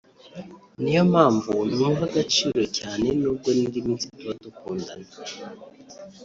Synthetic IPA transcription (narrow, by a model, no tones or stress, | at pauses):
nijo̞maːɱvunumɦaɡat͡ʃiːɾo̞caːne̞nub̚ɡonindiminsituβadukuːndane